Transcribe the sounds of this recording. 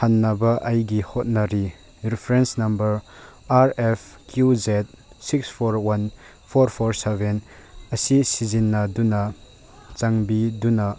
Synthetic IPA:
hanːɐbɐʔɐjɡihɔt̚nɐɾi | ɾipʰɾensnɐmbɐɾ | aɾɛpʰ | kʰjuzet̚sikspʰoɾwɐn | pʰoɾpʰoɾseben | ɐsisizinːɐdunɐ | t͡ʃaŋbidunɐ

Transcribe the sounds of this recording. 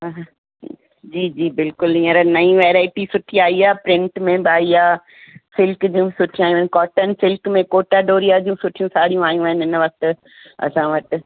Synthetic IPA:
ɦɦ | d͡ʑiːd͡ʑiːbɪlkʊlĩːə̃ɾənɐĩʋeːɾaːɪʈisʊʈʰiaːiaːpɾɪ̃ɳʈmẽbɪaːiaː | fɪlkd͡ʑiːũbɪsʊʈʰiũaːɦjũaɦɪnɪkɔːʈənɪ̆fɪlkmẽkoːʈaɖoːɾijaːd͡ʑiːũsʊʈʰijũsaːɽijũaːjũaːɦɪnɪɪnʋɐk̚t̪ʊ̆ | ɐ̰sãʋɐt̪ɪ̆

